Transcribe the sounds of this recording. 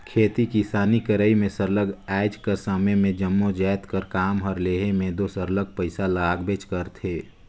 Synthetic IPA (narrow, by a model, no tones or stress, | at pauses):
kʰeːt̪ikisaːnikəɾəimẽsəɾləɡɛːɪd͡ʒkəɾsəməjmẽd͡ʒəmːod͡ʒaːt̪kəɾkaːmɦəɾleːɦemẽd̪osəɾləɡ̚pəɪsalaːɡbet͡ʃkəɾt̪ʰeː